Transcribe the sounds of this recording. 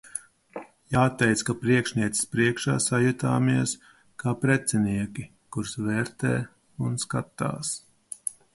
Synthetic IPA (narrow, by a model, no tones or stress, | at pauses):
jaːt̪ɛjt̪skapɾiɛkʃnʲiɛt̪si̥spɾiɛkʃa̰ːsajut̪aːmiɛs | kaːpɾɛt̪sɛniɛkʲi | kuɾsvɛːɾt̪ɛ̰ː | unskat̪a̰ːs